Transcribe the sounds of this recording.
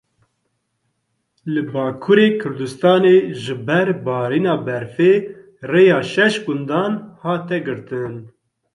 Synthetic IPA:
lɨbɑːkʰuːɾeːkʰʊɾd̪ust̪ɑːneːʒɨbɛɾbɑːɾiːnɑːbɛɾfeː | reːjɑːʃɛʃɡʊnd̪ɑːnhɑːt̪ɛɡɨɾt̪ɨn

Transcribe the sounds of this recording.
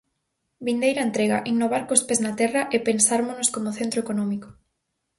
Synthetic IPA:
bind̪ejɾɐent̪ɾeɣaʔiŋnoβ̞aɾkospeznat̪ɛrɐʔepensaɾmonoskomoθent̪ɾoekonɔmiko̥

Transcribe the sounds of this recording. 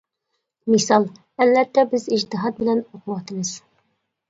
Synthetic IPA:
misɑlˠ | ælːæt̪ːæbɘziʑt̪ɘ̆ɦɑt̪̚bɘ̆lænuqlˠɑt̪ɤ̆nɤz̥

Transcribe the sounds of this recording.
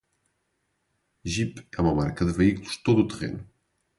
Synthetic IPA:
ʒipəməma̰ɾkəðəβəiklust̪ot̪ut̪ʁḛn

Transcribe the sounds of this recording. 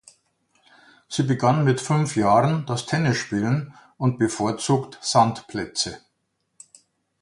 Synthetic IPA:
z̥iːbəɡanmɪtfʏnfjaːʁəndastʰɛnɪsʃpiːlən | ʔʊnt̚b̥əfoːɐt͡suːktz̥antpʰlɛt͡sə

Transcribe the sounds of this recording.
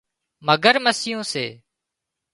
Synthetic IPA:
məɡəɾməsɪjõːsḛː

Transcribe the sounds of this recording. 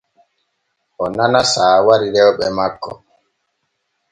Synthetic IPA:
ʔɔnanasaːwaɾiɾɛwɓɛmakːɔ̰

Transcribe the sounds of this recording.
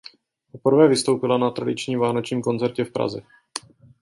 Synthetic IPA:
popr̩vɛːvɪst̪o̞wpɪlanat̪ɾadɪt͡ʃɲiːmvaːnot͡ʃɲiːmko̞nt͡sɛɾcɛfpɾa̰zɛ̰

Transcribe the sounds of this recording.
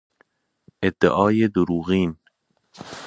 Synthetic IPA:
ʔed̪ːḛʔɒːjed̪oɾuːɣiːn

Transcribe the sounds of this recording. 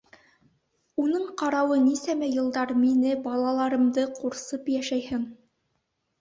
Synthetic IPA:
unɤɴqɑɾɑwɤnisæmæjɤ̆lˠd̪ɑɾminɘbɑlˠɑlˠɑɾɤ̆md̪ɤquɾsɤpjæʃæjhɘn

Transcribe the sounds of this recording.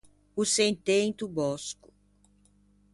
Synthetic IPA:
usẽnt̪ẽj̃t̪ubɔskʊ̥

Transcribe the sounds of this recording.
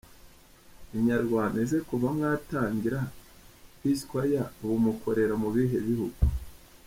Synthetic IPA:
iɲaɾɡwaːndazekuvamŋaːtaːɲɡiɾa | βiskwajaβumukʰo̞ɾe̞ɾamuβiɦe̞βihuɡu

